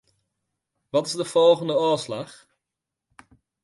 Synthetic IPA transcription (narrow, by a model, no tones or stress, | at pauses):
ʋɑtɪzdəv̥ɔlˠχəndəoːslɑχ